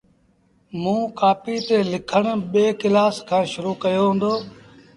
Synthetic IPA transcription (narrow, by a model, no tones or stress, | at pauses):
mũːkaːpiːt̪eːlɪkʰəɽ̃ɓeːkɪlaːskʰãːʃʊɾuːkəjoːɦʊ̃ːnd̪oː